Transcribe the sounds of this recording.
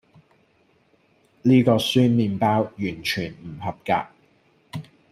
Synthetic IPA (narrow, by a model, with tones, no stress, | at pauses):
liː˥kɔː˧syː˥nmiː˨˧npaː˥wjyː˨˩nt͡ʃʰyː˨˩nm̩˨˩hɐ˨p̚ka̰ː˧